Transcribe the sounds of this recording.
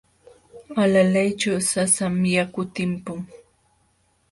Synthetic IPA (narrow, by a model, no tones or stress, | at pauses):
alalajt͡ʃawsasamjakʊt̪ɪmpʊŋ